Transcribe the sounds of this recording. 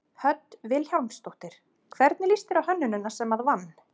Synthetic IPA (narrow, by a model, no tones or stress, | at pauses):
hœt̪vɪlhjawmst̪oht̪ɪɾ̥ | kʰvɛɾt̪nɪlist̪ɪɾawhœnːʏnːʏnːḁsɛmhaðvanː